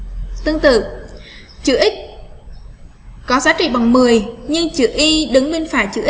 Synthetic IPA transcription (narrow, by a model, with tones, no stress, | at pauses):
t̪ɨ˧əŋt̪ɨ̰˧˨ | t͡ɕɨ̰˧˩ʔi˦˥k̟̚ | kɔ˨˦zaː˨˦˥t͡ɕḭ˧˨ɓa˨˩wŋ͡mmɨ˨˩əjɲɨ˧ŋt͡ɕɨ˧˩ʔi˧ɗɨ˨˦ŋɓi˧nfaː˧˩jt͡ɕɨ̰˧˩ʔi˦˥